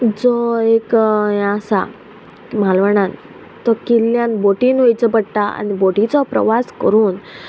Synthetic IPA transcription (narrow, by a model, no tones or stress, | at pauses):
d͡zɔekjãsa̰ | malʋəɳ̃an | t̪ɔkilːjãnboʈiːnojt͡səpəɽʈ̪aa̰niboʈit͡sɔpɾə̰ʋaskəɾuːn